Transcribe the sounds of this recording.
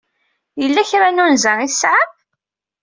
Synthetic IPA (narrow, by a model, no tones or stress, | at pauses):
jəlːæçɾanunzəiθsːʕað